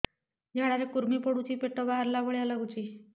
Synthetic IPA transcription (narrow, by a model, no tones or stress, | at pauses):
d͡ʑaɽaɾekuɾmipəɽut͡ɕiːpeʈəbaɦaɾlaʋəɭjalaɡut͡ɕiː